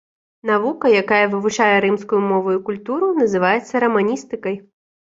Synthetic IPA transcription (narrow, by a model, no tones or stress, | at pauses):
n̪avukɐjakajɐvɨvut͡ʂajɛɾɨmskʊjumɔvʊjukulʲt̪uɾunɐzɨvajɛt̪sːɐɾɐmanʲist̪ɨkɐj